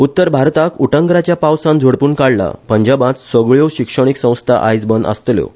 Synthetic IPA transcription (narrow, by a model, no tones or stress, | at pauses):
ut̪ːəɾbʱaɾt̪akuʈəŋɡɾat͡ɕjapawsãnd͡zʱoɽpuːɳkaɽla̰pəɲd͡ʑabãt̪səɡɭjoɕikʂəɽ̃iksə̃w̃st̪ʰa̰ʔajd͡zbənd̪ə̰st̪ljo̰